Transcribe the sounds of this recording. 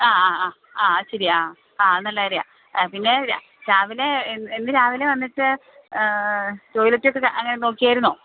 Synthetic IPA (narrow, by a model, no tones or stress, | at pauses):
aːaaː | aːɕɐɾiaː | aːɐnɐlːɐaːɐɾija̰ | pinːeɾja̰ | ɾaːʋile̞nenːɨɾaːʋileʋɐnːiʈːɨ | tojlɐtːijo̞k̬ːeʔɐŋːɐne̞no̞ːkːijaːjiɾunːo̞ː